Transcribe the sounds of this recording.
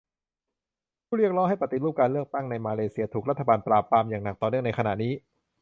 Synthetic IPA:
pʰuː˥˩ɾi˥˩ək̚ɾɔː˦˥ŋha˥˩jpa˨˩t̪ːi˨˩ɾuː˥˩p̚kaː˧nlɯ˥˩ək̚t̪a˥˩ŋna˧jmaː˧leː˧siː˧ət̪ʰuː˨˩k̚ɾa˦˥t̪ʰːa˧baː˧npɾaː˨˩pɾaː˧mjaː˨˩ŋna˨˩k̚t̪ɔː˨˩nɯ˥˩əna˧jkʰa˧na̰˨˩niː˦˥

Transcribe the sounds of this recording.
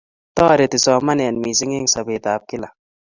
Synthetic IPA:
t̪ɔ˦ɾe˨t̪i˨sɔ˨ma˦nɛ˨a˨nmi˨s̬ɪ˦ŋe˦ŋsa˨be˨t̪aː˨p̚kɪ˦la˨

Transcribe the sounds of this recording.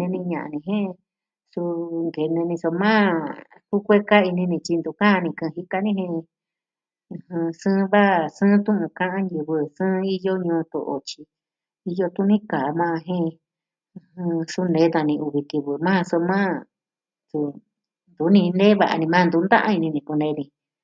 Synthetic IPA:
nẽ˧nĩ˧ɲã̰˨ʔa̰˧nĩ˧ɦẽ˦ | su˧ŋɡe˨nẽ˧nĩ˧so˧mãː˦ | hu˦kʷe˦ka˦i˧nĩ˧nĩ˧t͡ʃi˧nd̪u˧˨kã˦˧nĩ˧kɨ̃˧ɦi˧ka˧nĩ˦hẽ˧ | ɨ̃˧hɨ̃˧sɨ̃ː˦˧βa˦˨sɨ̃ː˦t̪ũ˦ʔũ˧kã˦ʔã˦ɲju˧βɨ˧sɨ̃ː˦i˦jo˦ɲũː˧t̪o̰˧ʔo̰˧t͡ʃi˧ | i˧jo˧t̪u˦nĩ˦kaː˨˦˧mãː˦˧ɦẽ˦˧ | hɨ̃˧su˧˦nẽ˨˦nã˧nĩ˧u˧βi˧k̪i˧βɨ˧mã˦˧so˧mã˦ | su˧ | nd̪u˨˦nĩ˧nẽ˦βa˨ʔa̰˧nĩ˧mã˦˧nd̪u˧˦nd̪ã̰˦ʔã̰˦i˧nĩ˧nĩ˧˨ku˧nẽ˧nĩ˧

